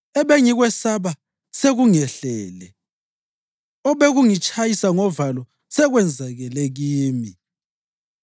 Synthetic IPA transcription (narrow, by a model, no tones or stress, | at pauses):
ɛβɛŋiɣwɛsaβa | seɣuŋɛɬɛːlɛ | ɔβeɣuŋit͡ʃʼajisaŋɔvalɔ | sɛɣwɛnd͡zʱaɣɛleɣiːmi